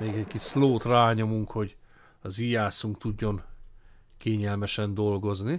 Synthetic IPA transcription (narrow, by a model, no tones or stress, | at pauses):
meːɡɛɟkit͡ʃsloːt̪raːɲo̞muŋkho̞ɟ | ɒzijaːsuŋkt̪uɟːo̞n | keːɲɛlmɛʃɛnd̪o̞lɡo̞zni